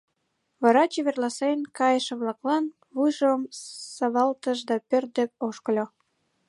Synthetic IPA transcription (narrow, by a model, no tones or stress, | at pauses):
βɑɾɑt͡ɕeβerlɑsenkɑjəʃĕβlɑklɑn | βujʒomsɑβɑlt̪əʃd̪ɑpør̚d̪ə̆p̚oʃkəlʲo